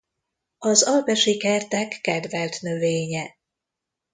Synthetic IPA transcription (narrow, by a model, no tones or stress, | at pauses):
ɒzɒlpɛʃikɛrt̪ɛkːɛd̪vɛlt̪nø̞veːɲɛ